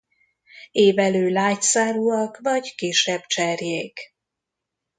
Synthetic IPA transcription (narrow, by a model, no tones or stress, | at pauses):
eːvɛløːlaːcsaːɾuɒkvɒɟkeːʃɛbt͡ʃɛrjeːk